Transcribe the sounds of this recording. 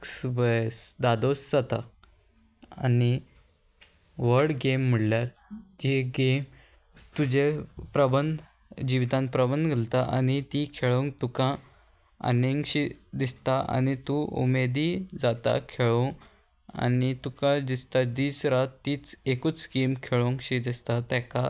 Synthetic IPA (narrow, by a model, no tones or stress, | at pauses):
ksʋəjsd̪ad̪osd͡zat̪a | ani | ʋəɾɽɡem̤ːəɽljaɾ | d͡ʑeɡem | t̪ud͡ʑepɾəbənd̪ | d͡ʑiʋit̪ãnpɾəbənd̪ɡʱəlt̪aʔañit̪ikʰeɭoŋk̚t̪ukã | ə̰neŋkɕid̪ist̪aʔa̰ñit̪uṵmed̪id͡zat̪a̰kʰeɭoŋ | a̰nit̪ukad̪ist̪ad̪iːsɾat̪ːiːt͡sekuːt͡sɡemkʰeɭoŋkɕid̪ist̪at̪jaka